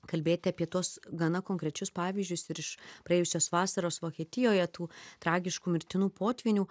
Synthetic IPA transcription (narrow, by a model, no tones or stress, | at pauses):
kɐlʲbʲeːt̪ʲɪɐpʲiɛt̪uɔsɡɐnɐkoːŋkɾʲɛt͡ʃʲʊspɑːʋʲiːzʲd͡ʒʲʊsɪɾɪʃpɾɐeːjʊsʲoːsʋɑːsɐɾoːsʋoːkʲiɛt̪ʲɪjoːjɛt̪uːt̪ɾɑːɡʲɪʃkuːmʲɪɾʲt̪ʲɪnuːpoːt̪ʲʋʲɪnʲuː